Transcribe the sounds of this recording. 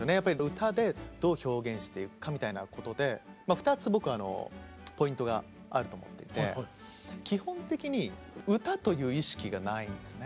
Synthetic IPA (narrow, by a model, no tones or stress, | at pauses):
sonejapːaɾʲiɯ̟t̪ad̪e̞d̪̥o̞ːço̞ːɡẽ̞ɰ̃ɕi̥t̪e̞iɯkamʲit̪aina̰ko̞t̪o̞d̪e̞maɸɯ̥t̪at͡sɨbo̞kɯ̟ano̞̰ | po̞ĩnt̪o̞ɡa̰ | aɾɯ̟t̪omo̞̰t̪ːe̞it̪e̞̰ | kʲihõ̞nt̪e̞kʲiɲ̟i | ɯ̟t̪at̪o̞jɯ̟ːiɕi̥kʲiɡanaĩnd̪esɨjone